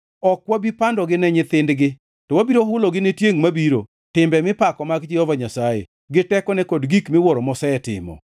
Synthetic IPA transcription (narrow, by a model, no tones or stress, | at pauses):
ɔkwabipandɔɡɪnɛɲɪt̪ɪndɡɪ | tɔwabiɾoɦʊloɡɪnɛtjeŋmabiɾo̰ | tɪmbɛmɪpakɔmaɡd͡ʒɪɔvaɲasajḛ | ɡɪtɛkɔnɛkodɡikmɪwɔɾɔmɔsɛɛtɪ̰mɔ̰